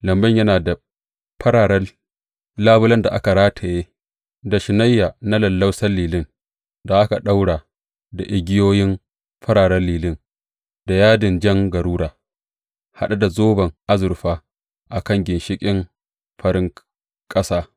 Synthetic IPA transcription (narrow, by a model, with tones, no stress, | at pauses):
lɐ˨mbɐ˦ɲjɐ˦naː˨da˨ | ɸʰɐ˦ɽaː˨ɽɐ˦ | laː˦bʊ˦lɐ˦nda˨ʔa̰˦ka˨ɽaː˦tʰa˨jeː˦ | da˨ʃɪ˨na˦jːaː˨na˦lɐ˨lːɐ˦wsɐ˦lːiː˨lɪ˦n | da˨ʔa˦ka˨ɗa˦wɽaː˨ | da˨ʔɪ˨ɡʲɪ˦joː˦jɪ˦m | ɸɐ˦ɽaː˨ɽɐ˦lːiː˨lɪ˦n | da˨jaː˦dɪ˨nd͡ʒɐ˦ŋɡɐ˨ɾuː˦ɽaː˨ | ha̰˦ɗa˦da˨zoː˦bɐ˨ŋʔa˦zʊ˨ɾɸaː˦ | ʔa˨kɐ˦˨ŋɡʲɪ˨nʃɪ˦kʲʼɪ˦m | ɸɐ˨ɾɪ˦ŋ | kʼɐ˦saː˦